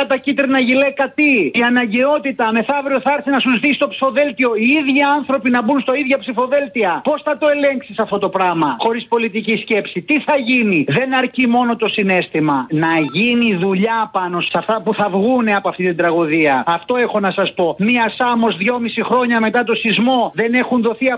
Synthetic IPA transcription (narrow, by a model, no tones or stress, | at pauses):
ɐt̪ɐcit̪ɾinɐʝilekɐt̪iiɐnɐɲɟe̞o̞t̪it̪ɐme̞θɐvɾeoθɐɐɾθinɐsuzðisi̥st̪opsi̥fo̞ðe̞lt̪io̞iiðʝiɐnθɾo̞pinɐbunst̪o̞iðʝɐpsifo̞ðe̞lt̪iɐpo̞sθɐt̪o̞e̞leŋksisɐft̪o̞t̪o̞pɾɐmɐxo̞ɾispo̞lit̪icisce̞psit̪iθɐʝiniðe̞nɐɾcimo̞no̞t̪o̞sine̞st̪imɐnɐʝiniðuʎɐpɐno̞ssɐft̪ɐpuθɐvɣuneɐpoɐft̪it̪ind̪ɾɐɣo̞ðiɐɐft̪o̞e̞xo̞nɐsɐspo̞miɐsɐmo̞zðʝo̞misixɾo̞ɲɐme̞t̪ɐt̪o̞sizmo̞ðe̞ne̞xunðo̞θiɐ